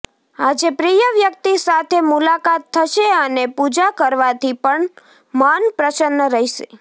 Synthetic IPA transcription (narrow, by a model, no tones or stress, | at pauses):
ad͡ʒepɾijəʋjək̚t̪isat̪ʰemulakat̪ʰːəʃeənepud͡ʒakəɾʋat̪ʰipəɳ | manpɾəsənːəɾəɦiʃḛ